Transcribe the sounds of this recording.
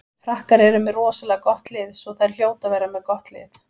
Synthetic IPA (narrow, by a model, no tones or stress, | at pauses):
fɾahkaɾɛɾʏmɛðrɔːsalɛkɔht̪lɪðsɔθaɾ̥l̥joːwt̪avejɾamɛðkɔht̪lɪ̰θ